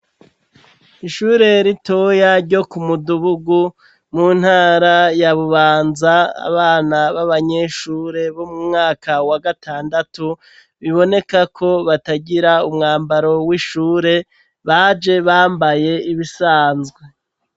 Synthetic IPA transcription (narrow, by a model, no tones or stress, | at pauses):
iʃuːɾe̞ɾito̞jaɾɟo̞kumuduβuɡu | muːn̥haːɾajaβuβaːnzaa̰βaːnaβaβaɲeʃuɾe̞βo̞mumŋaːkawaɡatʰaːndatu | βiβo̞ne̞kakʰo̞βataɟiɾaumŋaːmbaɾo̞wiʃuːɾe̞ | βad͡ʒe̞βaːmbaje̞iβisaːnzɡwe̞